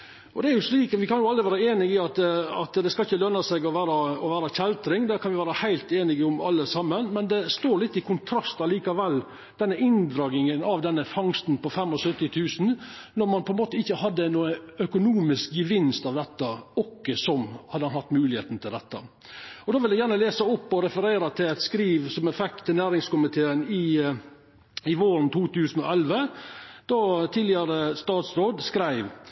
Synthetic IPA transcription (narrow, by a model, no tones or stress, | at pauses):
ɔd̪ɛæɾjʊʂliːkʋɪkɑnjʊɑlɾɪʋæːɾɑeːnɪɡɪɑt̪ɑt̪d̪ɛskɑɪçːəlœnːɑsɛɡɔʋæːɾɑɔʋæːɾɑçɛlt̪ɾɪŋd̪ɛkʰɑnʋɪʋæːɾəhæɪlt̪eːnɪɡəʊmɑ̰lːəsɑmːənmɛnd̪ɛst̪oːɾɭɪt̪ːɪkʰʊnt̪ʰɾɑst̪ɑliːkɑʋɛlː | d̪̥ɛnːəʔɪnd̪ɾɑːɡ̪ɪŋənɑʋd̪ɛnːəfɑŋst̪n̩pɔfɛmːɔsœt̪ːɪt̪ʰʉːsn̩ | nɔɾmɑnpʰɔɛnmoːt̪əɪçːəhɑd̪ːənuːəœkʊnuːmɪsk̚ɡəʋɪnst̪ɑʋd̪ɛt̪ːəɔkːəsɔmhɑd̪ːəhɑnhɑt̪ːmʉːlɪhḛːt̪n̩t̪ʰɪld̪ɛt̪ːə̰ | ɔd̪oːʋɪljæɪjæːɾɳəleːsəɔpːɔɾɛfəɾeːɾət̪ʰɪlɛɪt̪skɾiːʋsɔmɛfɛk̚t̪ʰːɪnæːɾɪŋskʊmɪt̪ʰeːənɪ | ɪʋoːɾnt̪ʰuːt̪ʉːsn̩ɔ̰ɛlʋəd̪̥ot̪ʰɪːlɪəɾəst̪ɑːt̪sɾoːd̪skɾæɪʋ